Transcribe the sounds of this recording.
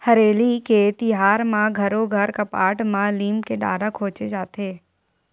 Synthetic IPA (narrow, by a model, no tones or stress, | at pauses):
hɐɾeːliket̪ɪɦaːɾmãɡʱɐɾoɡʱɐɾkɐpaːʈmãliːmkeɖa̰ːɾakʰoːt͡ʃed͡ʒaːt̪eː